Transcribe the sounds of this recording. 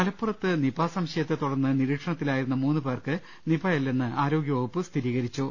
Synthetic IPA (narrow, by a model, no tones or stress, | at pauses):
mɐlɐpːurɐt̪ːɨnibaːsɐmɕɐjɐt̪ːet̪uɽɐrnːɨniɾiːʈʂɐɳɐt̪ːilaːjiɾunːɐmuːnːɨpe̞ːrkɨ | nibajelːenːɨaːɾo̞ːɡjoːɡɐpːɨst̪ʰiɾiːɣɐɾit͡ɕːu